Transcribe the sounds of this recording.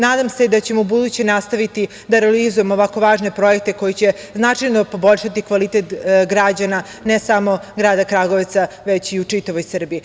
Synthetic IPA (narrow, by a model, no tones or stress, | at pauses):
naːd̪amse̞d̪at͡ɕe̞mubud̪ut͡ɕenast̪aʋit̪i | d̪aɾealizuje̞moʋako̞ʋaːʒne̞pɾo̞jek̚t̪e̞ko̞jit͡ɕe̞ | znat͡ʂajno̞po̞bo̞ʎʃat̪ikʋalit̪et̪ɡɾad͡ʑana | nesamo̞ɡɾaːd̪akɾaɡo̞ʋt̪sa | ʋet͡ɕiut͡ʂit̪aʋo̞jsr̩biː